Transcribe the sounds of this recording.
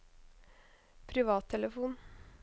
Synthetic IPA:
pʰɾɪʋɑːt̪ʰːɛləfuːn

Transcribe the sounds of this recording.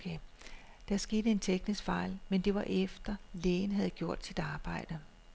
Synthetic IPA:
kʰe | d̥æsɡ̥e̝ːd̥əe̝nt͡sʰeɡ̥nisɡ̥fɑ̈ɪ̰lmend̥e̝ʋɑ̈ʔefd̥ɐleːn̩ɦæð̞̩ˠɡ̥jo̝ɐ̰d̥sid̥ɑ̈ːb̥ɑ̈ɪ̰d̥ə

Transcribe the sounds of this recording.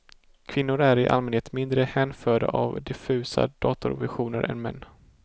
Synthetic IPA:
kʰvɪnːʊɾæɾɪʔa̰lmɛnheːt̪mɪnd̪ɾəhɛːnfœːɖaʔavd̪ɪfʉ̟ːsa̰d̪̥ɑːt̪ʊɾvɪ̰ɧuːnəɾʔɛ̰nmɛnː

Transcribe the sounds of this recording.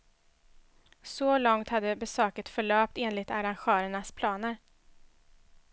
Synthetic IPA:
sɔlɔŋt̪had̪ːəbɛsøːkət̪fœɭœːp̚t̪eːnlɪt̪aɾanɧœːɾəɳaspʰlɑːnəɾ

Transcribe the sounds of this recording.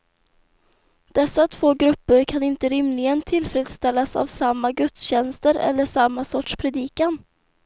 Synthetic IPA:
d̪̥ɛsːat̪ʰv̥oːɡɾɵpːəɾkʰanɪnt̪əɾɪmlɪɡənt̪ʰɪlfɾeːd̪st̪ɛlːasa̰vsamːaɡɵt̪sɕɛnst̪əɾɛ̰lːəʂamːasɔʈʂpʰɾɛd̪iːkan

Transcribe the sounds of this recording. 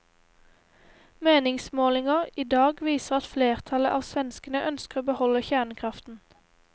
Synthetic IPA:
meːnɪŋsmoːlɪŋəʁiːd̪ɑːɡʋiːsəʁɑt̪fleːʁt̪ʰɑləʔɑːʋsʋɛnskənəʔœnskəʁoːbəhɔləçæːʁɳəkʰʁɑft̪n̩

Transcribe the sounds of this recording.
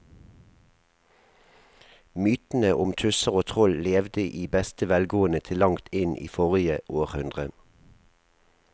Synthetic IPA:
myːt̪n̩əʔʊmt̪ʰʉsəʁoːt̪ʰʁɔlleːʋd̪əʔiːbɛst̪əʋɛlɡoːənət̪ʰɪlːɑŋt̪ʰɪnʔḭːfɔʁɪəʔoːʁhʉnd̪ʁə

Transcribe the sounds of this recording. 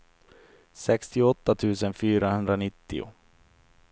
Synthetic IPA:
sɛkst̪ɪɔt̪ːat̪ʰʉ̟ːsənfyːɾaɦɵnd̪ɾanɪt̪ːɪ̰ʊ̰

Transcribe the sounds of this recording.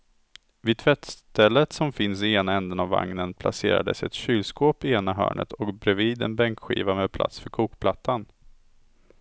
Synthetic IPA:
vɪt̪ʰvɛt̪st̪ɛlːət̪sɔmfɪnsɪeːnaɛnd̪ənavːa̰ŋnənpʰla̰sḛːɾa̰d̪əsɛt̪ɕyːlskoːpɪeːnaɦœ̰ːɳə̰t̪ɔkbɾɛviːd̪ɛ̰nbɛŋkɧḭːvameːd̪̚pʰla̰t̪sfœɾkʰuːkpʰlat̪ːan

